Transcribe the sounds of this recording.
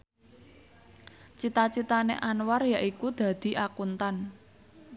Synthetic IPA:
t͡ʃit̪at͡ʃit̪anḛʔanwarjaʔikud̪̥ä̤d̪̥i̤ʔakunt̪an

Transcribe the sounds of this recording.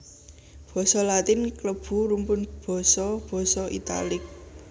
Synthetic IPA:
b̥ɔ̤sɔlat̪ɪnkləb̥ṳɾumpʊnb̥ɔ̤sɔb̥ɔ̤sɔʔḭt̪a̰lɪk̚

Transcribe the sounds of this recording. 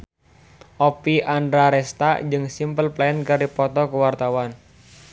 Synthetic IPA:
ʔɔpiʔandɾaɾɛst̪ad͡ʒɨŋsimpəlplaənkaɾipɔt̪ɔkəwart̪awan

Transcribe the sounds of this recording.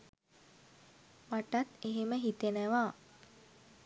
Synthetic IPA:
maʈat̪eɦeməɦit̪enəʋaː

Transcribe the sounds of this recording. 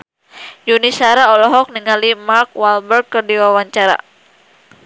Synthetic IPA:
d͡ʒunisaɾaɔlɔɦɔk̚niŋalimark̚walbərɡərdiwawaɲt͡ʃaɾa̰

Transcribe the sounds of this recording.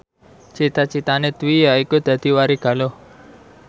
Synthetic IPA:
t͡ʃit̪at͡ʃit̪anet̪wijaikud̪̥ä̤d̪̥i̤waɾiɡ̥a̤lo

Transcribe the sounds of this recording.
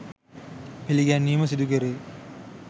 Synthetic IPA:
piliɡænːiːməs̬id̪ukeɾeː

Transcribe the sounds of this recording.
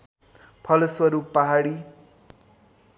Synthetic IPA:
pʰʌlʌswʌɾupaɦaɽi

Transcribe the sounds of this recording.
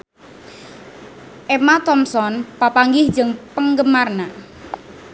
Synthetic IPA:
ʔɛmat̪ɔmsɔnpapaŋɡɪhd͡ʒəŋpəŋɡəmarna

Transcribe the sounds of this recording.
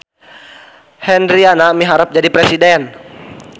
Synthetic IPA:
hɛnɾianamiɦaɾəp̚d͡ʒadipɾɛsidɛn

